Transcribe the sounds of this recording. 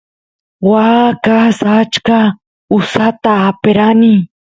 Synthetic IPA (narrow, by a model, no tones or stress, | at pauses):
wakasat͡ʃka | ʊsat̪aːpeɾani